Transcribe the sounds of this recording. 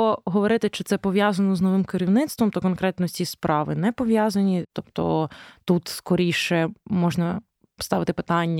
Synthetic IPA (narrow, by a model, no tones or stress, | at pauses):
ɔɦɔʋɔɾɪt̪ɪt͡ʃɪt̪sɛpɔʋʲjazɐnɔznɔʋɪmkɪɾʲiwnɪt̪st̪ʋɔmt̪ɔkɔnkɾɛt̪nɔt͡sʲispɾɑʋɪnɛpɔʋʲjɑzɐnʲit̪ɔpt̪ɔ̰t̪ut̪skɔɾʲijʃɛmɔʒnɐ | st̪ɑʋɪt̪ɪpɪ̥t̪ɑnʲːɐ